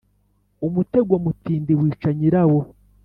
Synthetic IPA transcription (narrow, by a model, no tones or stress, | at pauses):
umute̞ɡwamutiːndiwiːt͡ʃaɲiɾawo